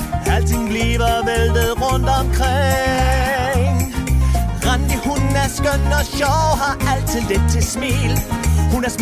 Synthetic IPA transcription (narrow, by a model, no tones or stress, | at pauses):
hæltʰɪnɡliːʋɐbeldəð̩ˠʁɔnd̥ɔmkʰʁe | ŋ | ʁɑndihunn̩æɐskœnːɔɕɑɦɑæltsʰɪld̥et͡sʰːesmiːlhunæɐs